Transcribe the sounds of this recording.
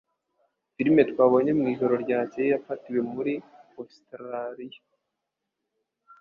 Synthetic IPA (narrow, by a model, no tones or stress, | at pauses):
fiɾime̞twaːβo̞ɲe̞mŋiːʒo̞ɾo̞ɾɟaːcejijafatiwe̞muɾi | ostɾaɾija